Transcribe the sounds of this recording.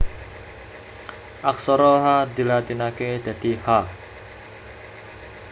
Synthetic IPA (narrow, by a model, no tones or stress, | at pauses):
ʔaksɔɾɔɦad̪ilat̪inaked̪̥a̤d̪̥iha